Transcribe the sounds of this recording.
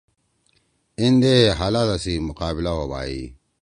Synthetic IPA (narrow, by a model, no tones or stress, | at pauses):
indeɦaladasimuqaːbilawaba̰ːjḭ